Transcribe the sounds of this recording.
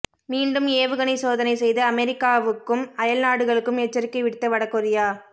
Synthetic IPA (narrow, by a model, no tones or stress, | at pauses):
miːɳɖɯmeːʋɯɣɐɳiɪsoːðɐnɐɪsɛjðɐːmɛɾɪkːaːʋɯkːɯmɐjɐlnaːɽɯɣɐɭɯkːɯmɛt͡ʃːɐɾɪkːɐɪʋɪɽt̪ːɐʋɐɽɐkːɔɾɪjaː